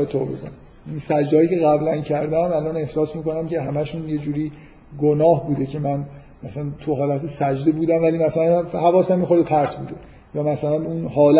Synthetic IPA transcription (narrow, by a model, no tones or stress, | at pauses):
et̪ʰːo̰bḛko̰n | insæd͡ʒd̪eɒːjiːkcʰe̞ɣæblæncʰæɾd̪æmælɒne̞hsɒːsmiːko̞næmcʰe̞ɦæmæʃunje̞d͡ʒuːɾiː | ɡonɒːhbuːd̪ecʰe̞mæn | mæsænt̪ʰuɦɒːlæt̪ʰesæd͡ʒd̪e̞buːd̪æmvælimæsælænhævɒːsæmixo̞ɾd̪epʰæɾt̪ʰbṵːd̪e̞ | jɒːmæsælænuːnɦɒːlæ